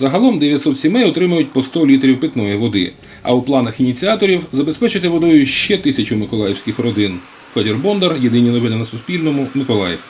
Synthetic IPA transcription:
zɐɦɐlˠɔmd̪eʋʲjɐtʲsɔt̪sʲimɛjɔt̪ɾɪmɐjʊt̚ʲpɔst̪ɔlʲit̪ɾʲiwpɪt̪nɔjiʋɔd̪ɪ̰ | ɐ̰uplˠɑnɐxinʲit͡sʲiat̪ɔɾʲiwzɐbe̞spɛt͡ʃɪt̪ɪʋɔd̪ɔjʊʃt͡ʃɛt̪ɪsʲɐt͡ʃʊmɪkɔlˠajɛwsʲkɪxrɔd̪ɪn | fɛd̪ʲerbɔnd̪erjed̪ɪnʲinɔʋɪnɪnɐsʊspʲilʲnɔmʊmɪkɔlˠɑ̰jɛw

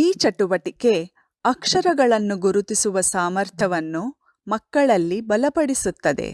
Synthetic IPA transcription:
iːt͡ʃɐʈuʋɐʈike̞ | ɐkʂɐɾɐɡɐɭɐnːuɡuɾut̪isuʋɐsaːmɐɾt̪ʰjɐʋɐnːu | mɐkːɐɭɐlːibɐlɐpɐɽisut̪ːɐd̪ḛ

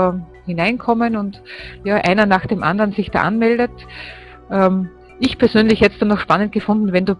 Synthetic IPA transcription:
hɪnaɪnkʰɔmənʊntjaːʔa̰ɪnɐnaːxd̥eːmʔa̰ndɐʁnzɪçd̥a̰ːʔa̰nmɛldət | ʔɛːm | ɪçpʰɛɐsøːnlɪçhɛtstonɔxʃpanənt̚ɡ̥əfʊ̃ndn̩vɛnduː

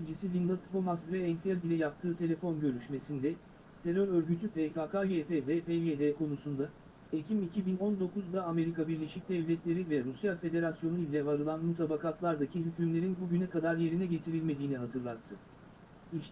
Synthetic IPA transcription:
id͡ʒisilʲind̪at̪ʰbomasɡɾɛɛnfiɛlʲd̪ilʲɛjap̚t̪ʰɯːt̪ʰe̞lʲe̞fo̞nɟø̞ɾyʃme̞sind̪ɛ | t̪ʰe̞ɾøɾøɾɟyt̪ʰypʰekʰaːkajepevɛpejeːd̪ɛːkʰo̞nusund̪a | ecʰimicʰibino̞nd̪o̞kuzd̪aːme̞ɾikabiɾlʲe̞ʃic̚d̪ɛvlʲɛt̪lʲe̞ɾivɛɾusjalʲfe̞d̪e̞ɾasjo̞nuilʲɛvaɾɯlˠanmut̪ʰabakat̪lˠaɾd̪acʰiɦycʰymlʲe̞ɾinbuɟynɛkad̪aɾje̞ɾinɛɟe̞t̪ʰiɾilʲme̞d̪iːniɦat̪ʰɯɾlˠat̪ʰːɯ | iʃ

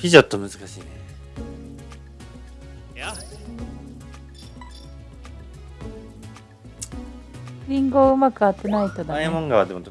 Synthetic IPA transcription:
pʲiʑot̪ːomɯ̟zɨkaɕiːne | ɾʲĩŋɡo̞ːɯ̟makɯ̟at̪ːenait̪od̪aaemõŋɡaβad̪e̞mot̪

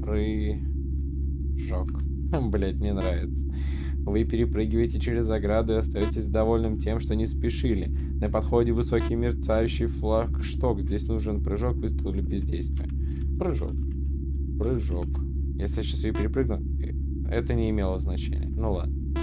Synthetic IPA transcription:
pɾɨ | ʐok | blʲet̪nʲɪnɾavʲɪt̪sə̥ | vɨpʲɪɾʲɪpɾɨɡʲɪvəjtʲɪt͡ɕɪɾʲɪzɐɡɾad̪ʊɪɐst̪ɐjotʲɪsʲd̪ɐvo̞lʲnɨmtʲe̞mʂt̪onʲɪspʲɪʂɨlʲɪ | nəpɐt̪xo̞dʲɪvɨso̞kʲɪjmʲɪrt̪sajʉɕːɪjflˠakʂt̪o̞kzʲdʲesʲnuʐɨnpɾɨʐo̞kvɨst̪ʊlʲɪlʲɪbʲɪzʲdʲejst̪vʲɪjə | pɾɨʐo̰k̚ | pɾɨʐok | jesʲlʲɪɕasjpʲɪɾʲɪpɾɨɡ̚nʊ | ɛ̰t̪ənʲɪːmʲe̞lˠəznɐt͡ɕḛnʲɪ̰jənulˠa̰d̪̚nə

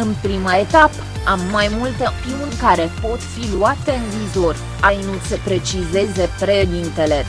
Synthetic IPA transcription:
ɨnpɾimae̞t̪ap | amːajmult̪əpiunʲkaɾe̞po̞t̪filuat̪e̞ɨnviːzo̞r | ajnusepɾe̞t͡ʃize̞ze̞pɾed̪int̪e̞le̞

